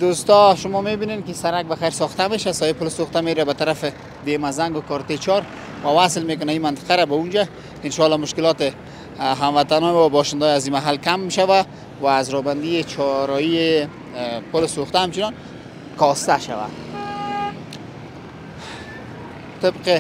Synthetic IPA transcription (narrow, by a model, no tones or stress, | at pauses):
d̪ost̪ɔʃʊmɔmebinenkɪsaɾak̚baxajɾsɔxt̪ameʃasɔjepʊlsoxt̪ameɾabat̪aɾafɪ | d̪emazaŋɡʊkɔɾt̪et͡ʃɔɾ | wawaslmek̬ʊnaimant̪ɪ̥qaɾabaund͡ʒa | ɪnʃɔlɔmʊʃkɪlɔt̪ɪ | ɦamwat̪anɔmwabɔʃɪnd̪ɔjazimaɦalkamʃawa | waːzɾɔband̪iet͡ʃʰɔɾɔie | pʊlsoxt̪aɦamt͡ʃɪnɔn | kɔst̪aʃa̰wa̰ | t̪ɪbqɪ